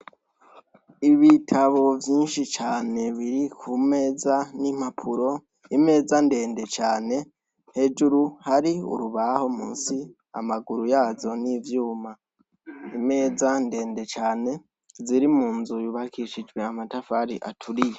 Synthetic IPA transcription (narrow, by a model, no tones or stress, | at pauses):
iβitʰaβo̞vjiːnʃit͡ʃaːne̞βiɾikʰume̞ːzanim̥apʰuɾo̞ | ime̞ːzande̞ːnde̞t͡ʃaːne̞ | he̞d͡ʒuɾuhaɾiṵɾuβaho̞mṵːnsi | a̰maɡuɾujaːzo̞nivjuːma | ime̞ːzande̞ːnde̞t͡ʃaːne̞ | ziɾimuːnzujuβakʰiʃid͡ʒwe̞amatafaɾiʔa̰tʰuɾije